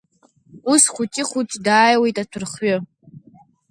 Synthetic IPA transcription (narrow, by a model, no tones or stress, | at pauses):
usχʷutʲʼiχʷut͡ʃʼdaːjwejtʼat͡sʰɨrχɥɨ